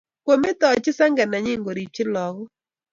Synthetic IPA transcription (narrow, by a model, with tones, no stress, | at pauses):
kwo˨me˦t̪ɔ˨t͡ʃɪ˦sa˦ŋɡa˨na˨ɲɪ˦ŋɡo˨ɾi˨t͡ʃɪ˦lɔ˨ɡɔ˦